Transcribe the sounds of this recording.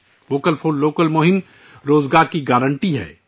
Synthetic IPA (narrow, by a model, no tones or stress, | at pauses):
ʋoːkəlfʰoːɖːoːkəlmoɦɪm | ɾoːzɡaːɾkiɡaːɾə̃ɳʈiɦɛ̰ː